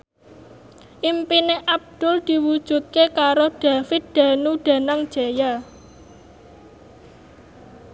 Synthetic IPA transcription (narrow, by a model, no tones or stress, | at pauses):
ʔimpineʔab̚d̪̥ʊ̤ld̪̥i̤wud̥ʒ̥ṳt̪̚kekaɾoɖ̥a̤fɪt̪̚d̪̥a̤nuɖ̥a̤naŋd̥ʒ̥aja